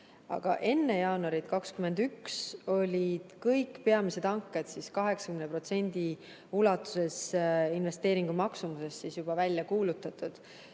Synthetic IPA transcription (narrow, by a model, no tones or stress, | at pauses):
ɑ̰ɡ̥ɑ̰ʔe̞nːejɑːnuɑɾit̪kɑkskyme̞nd̪ykso̞lʲid̪̥kɤjkːpe̞ɑmise̞d̪̥ɑŋkːˑed̪̥siskɑɦe̞ksɑ̥kymnepro̞t̪se̞nʲd̪̥i | ulɑt̪ːˑu̥se̞sinve̞st̪e̞ːɾiŋɡ̥umɑksumuse̞sːisjub̥ɑvælʲjɑkuːlut̪ːˑɑt̪ud̪̥